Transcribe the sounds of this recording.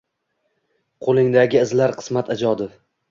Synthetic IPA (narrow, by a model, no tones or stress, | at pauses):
qʰolˠɪŋd̪aɡʲɪːzlaɾqʰɨ̥smat̪ʰad͡ʒɒd̪ɪf